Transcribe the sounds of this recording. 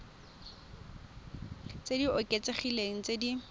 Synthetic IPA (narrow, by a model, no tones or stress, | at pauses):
t͡sediʊkʼet͡seχileŋ̩t͡sʼedi